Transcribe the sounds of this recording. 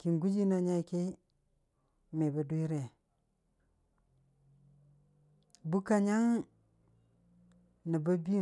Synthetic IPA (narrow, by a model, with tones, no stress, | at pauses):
ki˨nɡu˦d͡ʒi˦na˨ɲa˦˨ke˦ | me˨ba˨du˦i˦ɾe˨ | bu˦ka˨ɲa˦ŋ | na˨ba˦bi˦